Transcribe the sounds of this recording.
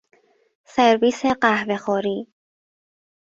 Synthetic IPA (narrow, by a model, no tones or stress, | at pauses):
seɾviːseɢæhve̞xɔːɾiː